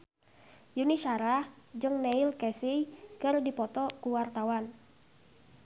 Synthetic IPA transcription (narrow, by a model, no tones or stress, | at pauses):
juniʃaɾahd͡ʒɨŋnɛilkɛsijkərdipɔt̪ɔkuwart̪awan